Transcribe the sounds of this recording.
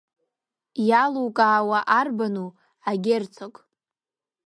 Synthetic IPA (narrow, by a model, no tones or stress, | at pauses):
jalukʼaːwaʔarbanu | aɡʲert͡sʰokʼ